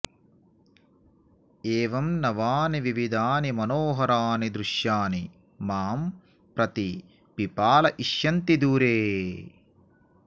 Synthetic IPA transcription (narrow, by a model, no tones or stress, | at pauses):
eːʋɐmnɐʋaːniʋiʋid̪ʱaːnimɐnoːɦɐɾaːnid̪ɾuʂjaːni | maːm | pɾɐt̪i | pipaːlɐʔiʃjɐnt̪id̪uːɾeː